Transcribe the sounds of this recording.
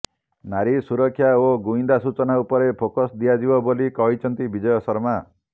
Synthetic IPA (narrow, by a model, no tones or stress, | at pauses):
naɾisuɾɔkʰːjaoɡuind̪asut͡ʃɔnaupɔɾepʰokɔsd̪ijad͡ʒibɔbolikɔɦit͡ʃʰɔnt̪ibid͡ʒɔjɔsɔɾma